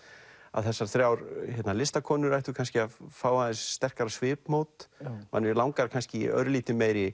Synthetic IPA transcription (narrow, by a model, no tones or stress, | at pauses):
a̰ðθɛsːaɾ̥θɾjawɾçɛt̪nalɪst̪akʰɔːnʏɾajht̪ʏkʰanscɪaðfaːwaðɪsːt̪ɛr̥kaɾasvɪːpmowt̪ma̰nːɪɾlawŋkaɾ̥kʰanscɪ̰œ̰ɾliːt̪ɪmeːjɾɪ